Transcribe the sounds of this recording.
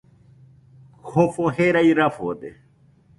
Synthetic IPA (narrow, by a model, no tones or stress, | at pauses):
hofoheɾaiɾafo̰d̪ḛ